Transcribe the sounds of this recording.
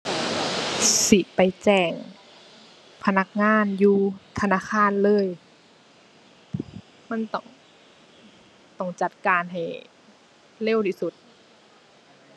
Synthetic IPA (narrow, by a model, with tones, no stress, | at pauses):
si˧˩t̪̚pa˨˩jt͡ɕɛː˧˩ŋ | pʰa˧na˧˦k̚ŋaː˧˥˨njuː˧t̪ʰa˧naː˧˥˨kʰaː˧˥˨nlɤː˧˥˨j | ma˧˥˨nt̪ɔ˧˩ŋ | t̪ɔ˧˩ŋt͡ɕa˧˦t̪̚kaː˨nɦa˨˩j | le˧˥˨wt̪ʰiː˧˩su˧˦t̪̚